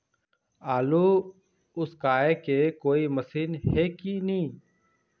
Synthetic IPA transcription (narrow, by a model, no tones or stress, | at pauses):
aːluː | ʊskaːeːkeːkoːiːməsiːnɦeːkiːnĩː